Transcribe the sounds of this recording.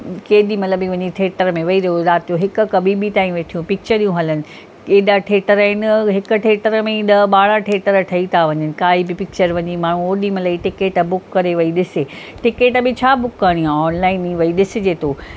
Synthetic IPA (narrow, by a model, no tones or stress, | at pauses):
keːɗ̪imɐt̪ləbĩʋɐɲiʈʰeːʈəɾmẽʋɐiɾɐjozaːt̪ijoɦɪkʊ̆kɐbʱibit̪ãːĩʋeːʈʰijũpɪk̚t͡ɕəɾiːũɦɐlənɪ̆ | eːɗ̪aʈʰeːʈəɾɪnəɦɪkʊ̆ʈʰeːʈəɾmẽɗɐɓaːɽãʈʰeːʈəɾʈʰɐit̪ʰaʋɐɲənɪ̆kaːɦibɪpɪk̚t͡ɕəɾʋɐɲimaːɳ̤ũoːɗimɐləiʈɪkeːʈbʊkːɐɾeʋɐiɗɪseʈɪkeːʈbɪt͡ɕʰaːbʊkːaːɽ̃iɦãɔːnlaːɪniːʋɐiɗɪsɪ̆d͡ʑeːt̪oː